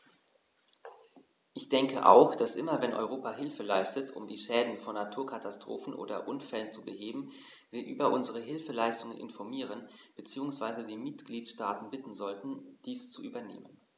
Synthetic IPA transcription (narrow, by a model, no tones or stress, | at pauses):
ʔɪçd̥ɛŋkə̰ʔa̰ʊxd̥asʔɪmɐvɛnʔɔ̰ʏʁ̞oːpaɦɪlfəlaɪstətʰʊ̰mdiːʃɛːdn̩fɔnːatʰuːɐkʰatastʁ̥o̰ːfn̩ʔo̰ːdɐ̰ʔʊnfɛlənt͡subəɦeːbm̩ | viːɐʔyːbɐʔʊnzəʁ̞əɦɪlfəlaɪstʊŋənʔɪ̰nfɔɐmiːʁ̞ənb̥ət͡siːʊŋsv̥aɪzədiːmɪtɡ̥liːtʃtaːtn̩bɪtn̩zɔltn̩d̥iːst͡suʔyːbɐnḛːmən